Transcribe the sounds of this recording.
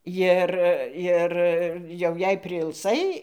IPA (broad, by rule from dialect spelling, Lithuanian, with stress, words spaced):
ˈjɪr ˈɪr jɛʊ jɛɪ pʲrʲɪɪlˠˈsɐɪ